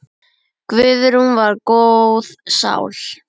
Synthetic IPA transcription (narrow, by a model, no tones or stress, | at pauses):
kvʏːðʏɾumvaɾkowwðsa̰wl̥